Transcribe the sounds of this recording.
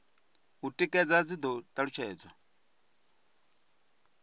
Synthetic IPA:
utʼikʼɛd͡zad͡zid̪ɔt̪ʼaɺut͡ʃʰɛːd͡zwa

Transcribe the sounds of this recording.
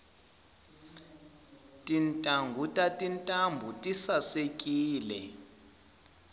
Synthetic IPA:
tʼintʼaŋɡʱutʼatʼintʼambʱutʼisasekʼiːlɛ

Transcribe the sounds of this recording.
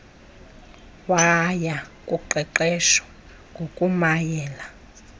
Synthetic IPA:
wajakʼuǃɛǃɛʃɔ̥ | ŋɡʱokʼumajɛːla

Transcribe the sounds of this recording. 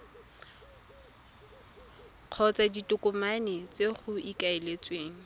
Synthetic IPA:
q͡χʰɔt͡saditʼʊkʼʊmanɪt͡sʼeχʊikaelet͡sʼweːŋ̩

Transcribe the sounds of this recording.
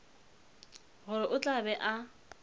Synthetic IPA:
ɣʊɾɪʔʊt͡ɬʼabɛʔa

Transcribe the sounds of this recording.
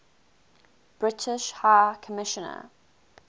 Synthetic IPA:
b̥ɹɪtʰɪʃhaɪkʰəmɪʃə̃nə̰

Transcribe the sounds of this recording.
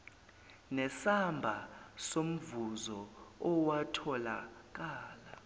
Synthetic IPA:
nɛsambʱasom̩vuzɔɔwatʰɔlak̬aːla

